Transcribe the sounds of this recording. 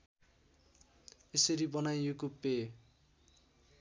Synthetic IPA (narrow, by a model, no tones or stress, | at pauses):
esʌɾibʌnajjokupːe